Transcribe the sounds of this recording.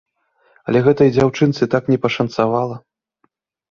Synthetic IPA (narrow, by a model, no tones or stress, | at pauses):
ɐ̰lʲɛɣɛt̪ɐjd͡zʲawt͡ʂɨnt̪sɨt̪aknʲɛpɐʂɐnt̪savalˠɐ